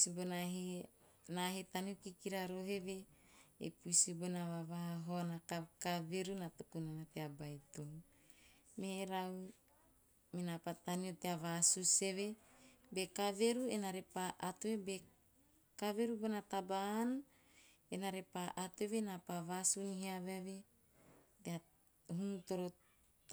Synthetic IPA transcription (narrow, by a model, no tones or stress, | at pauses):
sibonaɦe | naɦet̪aniokikiɾaɾoɦeβe | ḛpujsibonaβaβaaɦonakakaveɾunat̪ukunanat̪eabajt̪oŋ | meɾaw | minapat̪anioteavasuse̞βebekaveɾuenaɾepaʔat̪uebe | kaβeɾubonat̪aban | enaɾepaʔat̪ueβenapaβasuniɦiaβeβe | tea | ɦunut̪oɾo